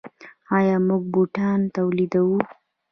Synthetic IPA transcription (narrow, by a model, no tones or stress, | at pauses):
ɑjɑmuɡ̚buʈɑnt̪awlid̪awu